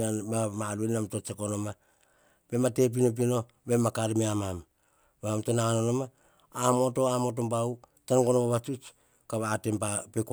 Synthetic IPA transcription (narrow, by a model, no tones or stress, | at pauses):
anbamaluenamto̞t͡ʃekono̞ma | b̥e̞mate̞p̬ino̞p̬ino | be̞makaɾimeamam | baamtonaanonomaː | mo̞to̞amo̞t̬o̞mbawt͡ʃanɡo̞nobaβat͡ʃut͡ʃ | kaβaːte̞mpapek